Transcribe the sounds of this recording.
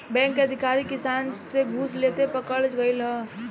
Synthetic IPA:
bɛ̃ːŋkəd̪ʱikaɾikɪsaːnseɡʱuːslet̪epəkəɭd͡ʒɡəjlɦə̃

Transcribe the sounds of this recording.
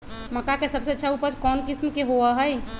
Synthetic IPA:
məkakesəbseɐtːʃʰauːpəɾd͡ʒkɔːnkɪsmkeɦoaɦəj

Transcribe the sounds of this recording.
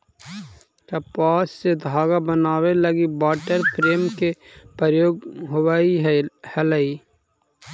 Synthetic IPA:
kɐpaːsːed̪ʱaːɡabənaːweləɡibaːʈəɾpʰɾeːmkepəɾjoːɡɦʊwaːiɦhɛləiː

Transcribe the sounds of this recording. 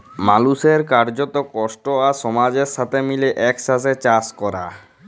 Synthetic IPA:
maluʃeɾkaɾd͡ʑot̪okɔʃʈoaʃɔmad͡ʑeɾʃat̪ʰemileʔɛkʃaset͡ɕaskɔɾa̰

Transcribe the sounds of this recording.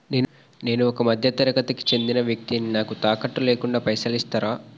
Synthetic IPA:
neːn | ne̞ːnuɔkɐmɐd̪ʱjɐt̪ɐɾɐkɐt̪ɐki̥t͡ʃe̞nd̪inɐʋjɐk̚t̪ininaːkut̪aːkɐʈːuleːkuɳɖaːpɐjsɐlist̪aːɾaː

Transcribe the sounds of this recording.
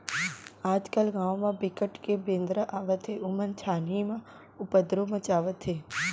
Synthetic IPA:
aːd͡ʒkəlɡãːʋ̃mãbɪkəʈkebẽːnd̪ɾəʔaːʋət̪ʰeʊmənt͡ʃʰaːnimã | ʊpəd̪ɾomə̃t͡ʃaːʋət̪ʰɦeː

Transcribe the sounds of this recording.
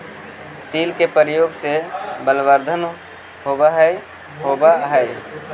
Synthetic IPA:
t̪ilkepəɾjoɡsebəlʋəɾd̪ʱən | ɦobaɦə | ɦobaɦəj

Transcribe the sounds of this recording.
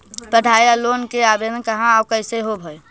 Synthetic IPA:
pəɖʱaːjaloːnkeabed̪ənkəɦãabkəɪseɦobʱəj

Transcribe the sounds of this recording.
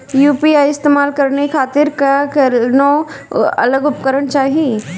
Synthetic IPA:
juːpiaːjɪst̪eːmaːlkɐɾnekʰaːt̪ɪɾkakɐno | ɐ̰ləɡʊpkəɾəɳ̃t͡ʃaːɦie

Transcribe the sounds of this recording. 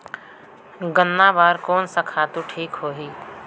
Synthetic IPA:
ɡənːabaːɾkɔːnsakʰaːt̪uʈʰiːkɦoːɦiː

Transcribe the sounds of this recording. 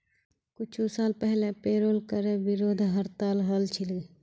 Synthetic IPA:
kʊt͡ʃʰusaːlpɛɦlepeːɾoːlkəɾeʋɪɾoːd̪ʱɦəɾt̪aːlɦəlt͡ʃʰɪlɡ

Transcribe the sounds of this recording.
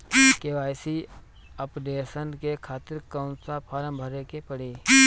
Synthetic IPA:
keʋaːjsi | əpd̪eːsənkekʰaːt̪ɪɾkə̃ʊ̃nsapʰaːɾə̃mbʱəɾekepəɽiː

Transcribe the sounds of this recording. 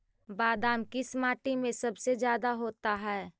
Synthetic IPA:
baːd̪aːmkɪsmaːʈimẽsɐbsezjaːd̪aɦoːt̪aɦɛː

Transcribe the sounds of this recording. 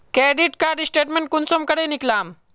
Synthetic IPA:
keɖiʈkaɾɖisʈeʈmeɳʈ̚kunsomkəɽeniklam

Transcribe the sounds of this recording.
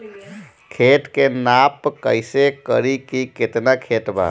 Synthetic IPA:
kʰeʈkenapkəjsekəɾikiket̪nakʰeʈba̰

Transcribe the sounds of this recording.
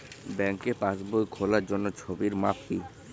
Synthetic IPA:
bɛŋkepãsbojkʰolaɾd͡ʑonːot͡ɕʰobiɾmap̚ki

